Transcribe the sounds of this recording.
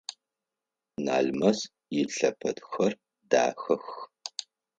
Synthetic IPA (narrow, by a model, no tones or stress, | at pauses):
na̰ːɮmɐs | jɪɬɐpʰɐtxɐr | da̰ːxɐx